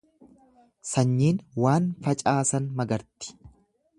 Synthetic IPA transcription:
sɐɲːiːnwaːnfɐt͡ʃʼaːsɐnmɐɡɐɾt̪ɪ̥

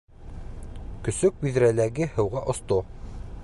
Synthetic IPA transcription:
kɵ̆sɵk̚wiðɾælæɡɘhɤ̆wʁɑʔŏst̪o

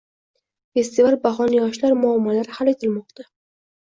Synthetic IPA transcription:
fe̞st̪ivalbaɦɒnjɒʃlaɾmʊamːalaɾhalet̪ʰɪlmɒqt̪ʰa

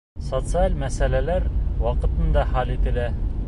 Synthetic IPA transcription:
sot̪sɨalʲmæsælælæɾwɑqɤ̆t̪ɤ̆nd̪ɑχɑlʲit̪ɘ̆læ

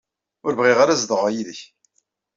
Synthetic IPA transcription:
ʊɾvʁiʁaɾazðəʁæjiðəç

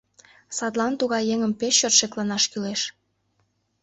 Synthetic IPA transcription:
sɑt̪lɑnt̪uɣɑjːeŋəmpeʃːørt̪ʃeklɑnɑʃkyleʃ

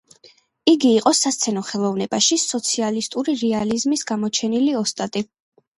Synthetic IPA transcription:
iɡiːqʼɔsast̪sʰɛnɔχɛlˠɔvnɛbaʃisɔt̪sʰialist̪ʼuɾiɾɛalizmisɡamɔt͡ʃʰɛniliɔst̪ʼat̪ʼi

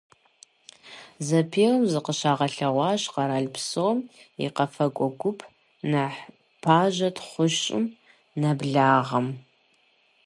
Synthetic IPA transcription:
zɐpʰeːwmzɨqəɕaːʁɐɬɐʁʷɑːɕqɐɾaɮpʰsoːmḭqɐfɐkʷʼɔɡʷʊpʰ | nɐħ | pʰaːʒɐtʰχʷʊʃɕʼɪ̰m | nɐbɮaːʁɐm

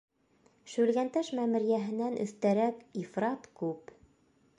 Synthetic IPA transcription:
ʃʉlɡænt̪æʃmæmɘ̆ɾjæɦɘ̆nːænʔɵ̰̆θt̪æɾækifrɑt̪kʉp

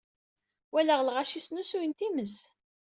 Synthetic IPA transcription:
wælæʁlʁaʃisnusujənt̪iməs

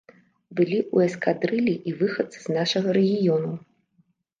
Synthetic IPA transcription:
bɨlʲiʔuɛskad̪ɾɨlʲiʔivɨxɐt̪sɨ̥z̥naʂɐɣɐɾɛɣʲijɔnu

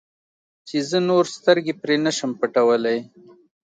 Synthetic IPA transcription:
t͡ʃezənoɾst̪əɾɡepɾenəʃəmpəʈawəlaj

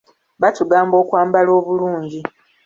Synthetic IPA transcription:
βatuɡaːmbo̞ːkwaːmbalo̞ːβuluːɲɟi

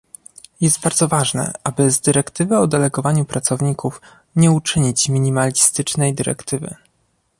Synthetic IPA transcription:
jɛst̪̚baɾd̪zɔvaʐnɛ̰ʔabɘzd̪ɘɾɛkt̪ɘvɘɔd̪ɛlɛɡɔvaɲupɾat̪sɔvɲikuf | ɲɛut͡ʂɘɲit͡ɕmʲiɲimalʲist̪ɘt͡ʂnɛjd̪ɘɾɛ̰kt̪ɘvɘ̰

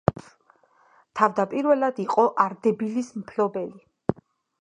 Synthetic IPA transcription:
t̪ʰavd̪apʼiɾvɛlad̪iqʼɔʔaɾd̪ɛbilismpʰlɔbɛli

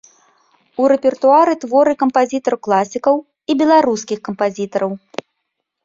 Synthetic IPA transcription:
uɾɛpʲɛrt̪uaɾɨt̪vɔɾɨkɐmpazʲit̪ɐrklˠasʲikɐw | ibʲɛlˠaɾuskʲixkɐmpazʲit̪ɐɾɐw

